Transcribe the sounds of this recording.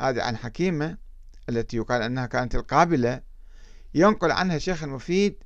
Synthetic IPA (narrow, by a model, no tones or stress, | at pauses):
haːðḭʕa̰nħakiːma | ʔalːat̪ijʊqɑːlʔanːahakaːnat̪ɪlqɑːbɪla | jʊnqʊlʕa̰nhaʃeːxɪlmʊfiːd̪̚